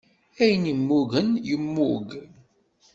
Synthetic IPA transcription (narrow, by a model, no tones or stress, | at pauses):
æjənimːuɣənjəmːuɡ